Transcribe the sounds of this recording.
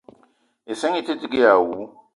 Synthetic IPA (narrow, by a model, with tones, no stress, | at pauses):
ɪ˨se˦ŋɪ˦tʰʼe˦tʼɪ˦kʼɪ˦jaː˨wu˦